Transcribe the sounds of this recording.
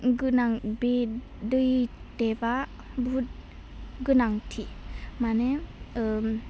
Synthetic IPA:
ɡɯnaŋbe | dɯjteba | bʱut̚ | ɡɯnaŋtʰimane

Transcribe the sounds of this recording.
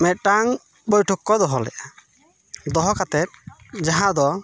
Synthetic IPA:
mɛt̪̚ʈaŋ | bɔjʈʰɔkːɔd̪ɔɦɔlɛ̰ʔa | d̪ɔɦɔkat̪ɛt̪̚ | d͡ʒaɦãd̪ɔ

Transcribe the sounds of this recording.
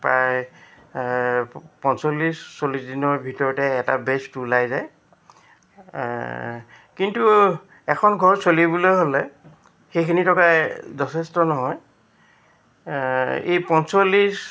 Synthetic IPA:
pɹaj | pɔnsolːisːolisdinɔɹbʱitɔɹɔtɛːta̰bɛstulajzaj | kintu | ɛkʰɔnɡʱɔɹsolibulojɦolɛ | xejkʰinitʰɔkajzɔtʰɛstɔnɔɦɔj | ḛjpɔnsolːis

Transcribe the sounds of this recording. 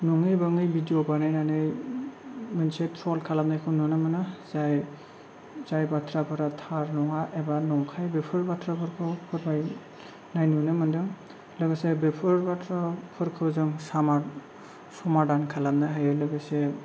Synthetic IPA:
nɔŋɯjbɯŋɯjbidijɔbanajnanɯj | mɯnsetʰɾɔlkʰalamnajkʰɯwnɔnamanɯzaj | zajbatʰɾapʰɯɾatʰaɾnɔŋaʔɛbanɔŋkʰajbepʰɯɾbatʰɾapʰɯɾkʰɯwpʰɯɾmaj | najnɔnɯmandɯŋ | lɔɡasebepʰɯɾbatʰɾapʰɯɾkʰɯwzɯŋsama | sɔmadankʰalamnaɦajɯlɯɡase

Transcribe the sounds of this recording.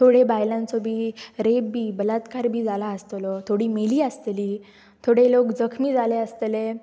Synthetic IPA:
t̪ʰoɽebajlãnt͡sɔbʱiːɾebbiːbəlat̪kaɾbʱiːd͡zalaəst̪lɔt̪ʰoɽiːmeliːəst̪eliː | t̪ʰoɽelokd͡zəkʰmiːd͡zaleəst̪le

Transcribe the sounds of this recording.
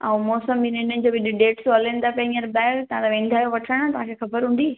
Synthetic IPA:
ɐũmɔːsəminənənɪ̆d͡ʑoːbɪɗɪɖeːʈsolẽːn̆d̪apẽəɾbɛːɾt̪ɐãt̪aʋẽːnd̪ʱaːjoʋɐʈʰəɽ̃ãt̪ɐɦãkʰexɐbəɾɦũːn̆d̪i

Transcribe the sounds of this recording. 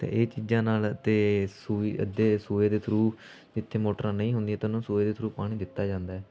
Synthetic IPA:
t̪ḛ̃ːʔeːt͡ʃiːd͡ʒãːnaːlət̪eːsuːiəd̪eːsuːeːd̪eːt̪ʰɾuː | d͡ʒɪt̪ʰːeːmoːʈɾãːnəĩːɦʊnd̪iːɛːt̪ɪnũːsuːeːd̪eːt̪ʰɾuːpaːɽ̃iːd̪ɪt̪ːaːd͡ʒãːnd̪aːɛː

